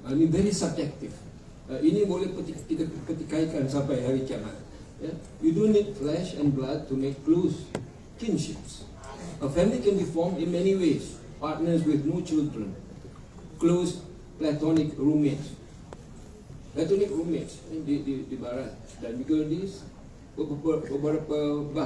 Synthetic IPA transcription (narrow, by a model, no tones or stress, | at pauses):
amĩnvɛɹisab̚d͡ʒɛk̚tif | aʔinĩbolepət̪ikit̪əpət̪ikajkãnsãmpajɦɛɹikɛmã̰n | ja | judũnːid̚flɛʃɛ̃nblad̚tumekːlos | kĩnʃips | ʔəfɛ̃milikɛ̃nbifɔmĩnmɛ̃niwes | pat̚nəswɪθnut͡ʃildɹə̃n | klos | plɛt̪ɔnikɹumɪks | plɛt̪ɔnik̚ɹumɪtsdididibaɹat̪̚ | dãnbiɡədis | bəpəpəpəbəɾapəba